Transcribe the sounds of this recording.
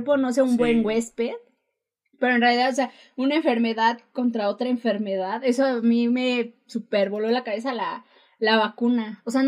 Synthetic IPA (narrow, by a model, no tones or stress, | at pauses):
ɾpo̞nos̬eumbwe̞ŋɡwe̞speð | pe̞ɾo̞enrealiðaðose̞a | unaeɱfe̞ɾme̞ðaðko̞nt̪ɾao̞t̪ɾaeɱfe̞ɾme̞ðaðe̞soamime̞ | supeɾβolo̞lakaβe̞s̬ala | laβakunaose̞an